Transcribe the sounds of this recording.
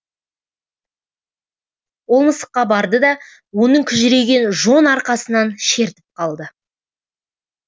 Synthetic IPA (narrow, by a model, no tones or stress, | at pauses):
wolˠməsə̥qːɑbɑɾd̪əd̪ɑ | wo̞nəɴkʲʰʏʒɪɾe̞ɡʲe̞nʒo̞nɑɾqɑsənɑnʃe̞ɾt̪ɪ̥p̚qʰɑlˠd̪ə